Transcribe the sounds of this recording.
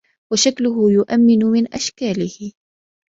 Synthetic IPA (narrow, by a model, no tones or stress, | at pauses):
waʃaklʊɦʊjʊʔamːɪnʊmɪnʔaʃkaːlɪhɪ